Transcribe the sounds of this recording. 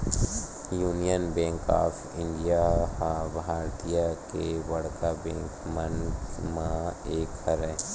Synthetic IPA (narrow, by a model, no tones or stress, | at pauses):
juːnijənbẽːŋka̰ːpʰɪ̃ɳɖijahabʱaːɾt̪ijakeʋɐɽkabɛ̃ːŋkmənmãeːkəɾɛ̃